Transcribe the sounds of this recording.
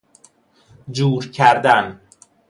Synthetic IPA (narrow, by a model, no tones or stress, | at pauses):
d͡ʒuːɾcʰæɾd̪æn